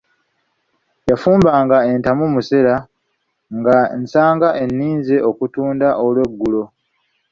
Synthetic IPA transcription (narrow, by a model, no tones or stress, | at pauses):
jafuːmbaːŋɡae̞ntamumuse̞ɾa | ŋɡansaːŋɡaʔe̞nːiːnzeʔo̞kutuːndaʔolwe̞ɡːulo̞